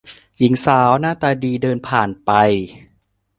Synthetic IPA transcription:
ji˩˦ŋsaː˩˦wnaː˥˩t̪ɛː˨˩diː˧dɤː˧npʰaː˨˩npa˧j

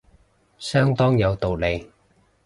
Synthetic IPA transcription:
sœː˥ŋt̪ɔː˥ŋjɐ˨˧wt̪o˨wle˨˧j

